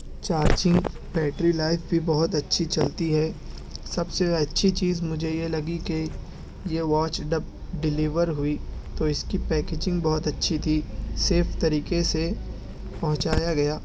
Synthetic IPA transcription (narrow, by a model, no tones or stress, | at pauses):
t͡ʃaːɾd͡ʒɪ̃ŋɡ | bɛːʈɾilaːɪfbʱibɔɦʊt̪ɐtːʃʰit͡ʃɐlt̪iɦɛː | sɐbseɐtːʃʰit͡ʃiːzmʊd͡ʒʱejelɐɡike | jeʋaːt͡ʃɖɐp̚ | ɖɪliːʋəɾɦʊit̪oɪskipɛːkeːd͡ʒɪ̃ŋɡbɐɦʊt̪ɐtːʃʰit̪ʰiseːft̪ɐɾiːkese | pɐɦʊ̃t͡ʃaːjaɡɐjaː